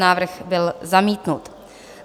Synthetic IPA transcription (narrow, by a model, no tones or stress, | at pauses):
naːvr̩xbɪlzamiːt̪nut̪